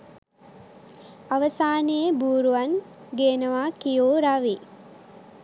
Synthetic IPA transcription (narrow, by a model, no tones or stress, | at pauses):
aʋəsaːnejebuːɾuʋɐŋ | ɡeːnəʋaːkijoːɾaʋi